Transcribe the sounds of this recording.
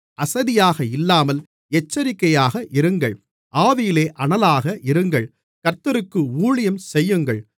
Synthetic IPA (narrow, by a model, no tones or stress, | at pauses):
ʔɐsɐðɪjaːɣɐɪlːaːmɐl | ɛt͡ʃːɐɾɪkːɐjaːɣɐʔɪɾɯŋɡɐɭ | ʔaːðɪjɪleːʔɐɳɐlaːɣɐʔɪɾɯŋɡɐɭ | kɐɾt̪ɐɾɯkːɯuːɭɪjɐmsɛjːɯŋɡɐɭ